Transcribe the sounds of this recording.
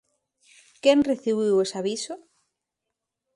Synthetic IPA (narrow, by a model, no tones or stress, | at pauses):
kɛnreθiβiwesaβiso